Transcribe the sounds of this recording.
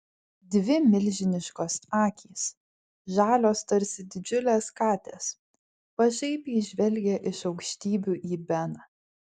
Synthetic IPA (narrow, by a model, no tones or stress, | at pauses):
d̪ʲʋʲɪmʲɪlʲʒʲɪnʲɪʃkoːsɑːkʲʰiːs | ʒɑːlʲoːst̪ɐɾʲsʲɪd̪ʲɪd͡ʒʲʊlʲeːskɑːt̪ʲḛːs | pɐʒʲɛɪpiːʒʲʋʲɛlʲɡʲɛʔɪʃɒʊkʃʲt̪ʲiːbʲuːʔiːbʲɛnɑ